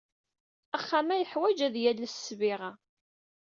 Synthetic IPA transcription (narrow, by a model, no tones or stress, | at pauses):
æχːamæjəħwæd͡ʒæðjælːəsːviʁa